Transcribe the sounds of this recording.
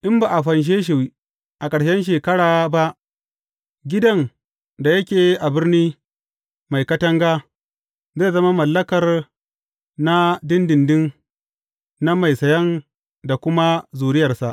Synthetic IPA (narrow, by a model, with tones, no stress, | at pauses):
ʔɪ˦mba˨ʔa˨ɸɐ˨nʃ̬eː˦ʃ̬ɪ˨wi˦ | ʔa˨kʼɐ˨ɽʃɛ˦nʃ̬eː˨kɐ˦ɽaː˨ba˦ʔ | ɡʲɪ˦dɐ˦n | da˨jɐ˦kʲeː˨ʔa˨bɪ˦rniː˦ | ma˨jkɐ˦tɐ˦ŋɡaː˦ | zeː˦˨zɐ˦ma˦mɐ˨lːɐ˦kɐ˨r | na˦dɪ˦ndɪ˨ndɪ˦n | na˦ma˨jsɐ˨jɐ˦n | da˨kʷʊ˦ma˦zuː˨ɾɪ˦jɐ˨rsa˨ʔ